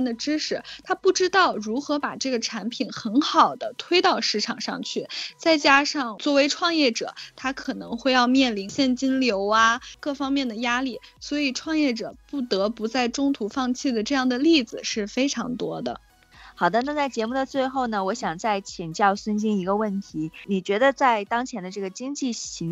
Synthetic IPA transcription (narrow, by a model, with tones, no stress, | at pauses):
nd̪ə˩ʈ͡ʂɻ̩˥ʂɻ̩˥˩t̪ʰa˥pu˥˩ʈ͡ʂɻ̩˥t̪ɑ˥˩ʊɻu˧˥xɤ˧˥pa˨˩ʈ͡ʂɤ˥˩ɡə˩ʈ͡ʂʰa˧˥npʰi˨˩˦nxə˧˥nxɑ˨˩ʊd̪ə˦t̪ʰwe˥ɪt̪ɑ˥˧ʊʂɻ̩˥˩ʈ͡ʂʰɑ˨˩ŋʂɑ̰˥˧ŋt͡ɕʰy˥˩t͡sa˥˩ɪt͡ɕja˥ʂɑ˥˩ŋt͡swɔ˥˩we˧˥ɪʈ͡ʂʰwɑ˥˧ŋjɛ˥˩ʈ͡ʂɤ̰˨˩˦t̪ʰa˥kʰɤ˨˩nɤ̰˧˥ŋxwe˥˧ɪjɑ˥˧ʊmjɛ˥˩nli˧˥ŋɕjɛ˥˩nt͡ɕi˥nljo˧˥ʊa˧kɤ˥˩fɑ˥ŋmjɛ˥˩nd̪ə˩ja˥li˥˩swɔ˧˥i˨˩ʈ͡ʂʰwɑ˥˧ŋjɛ˥˩ʈ͡ʂɤ̰˨˩pu˥˩t̪ɤ˧˥pu˧˥t͡sa˥˩ɪʈ͡ʂʊ˥ŋt̪ʰu˧˥fɑ˥˧ŋt͡ɕʰi˥˩d̪ə˩ʈ͡ʂɤ˥˧jɑ˥˩ŋd̪ə˩li˥˩d͡zɹ̩˨˩ʂɻ̩˥˩fe˥ɪʈ͡ʂʰɑ̰˧˥ŋt̪wɔ˥d̪ə̰˨ | xɑ˨˩ʊd̪ə˦na˥˧t͡sa˥˩ɪt͡ɕjɛ˧˥mu˥˩d̪ə˩t͡swe˥˧ɪxo˥˩ʊnə˩wɔ˧˥ɕjɑ˨˩ŋt͡sa˥˩ɪt͡ɕʰi˨˩ŋt͡ɕjɑ˥˩ʊsə˥nt͡ɕi˥ŋi˧˥ɡə˧wə˥˩nt̪ʰi˧˥ni˨˩t͡ɕɥɛ˧˥d̪ə˧t͡sa˥˩ɪt̪ɑ˥ŋt͡ɕʰjɛ˧˥nd̪ə˧ʈ͡ʂɤ˥˩ɡə˩t͡ɕi˥ŋt͡ɕi˥˩ɕi˧˥